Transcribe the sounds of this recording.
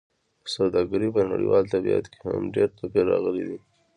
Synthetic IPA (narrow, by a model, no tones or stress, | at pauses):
sawd̪ɑɡaɾipəna̰ɽḭwɑlt̪abija̰t̪keha̰mɖeɾt̪əkeɾɑɣəlid̪i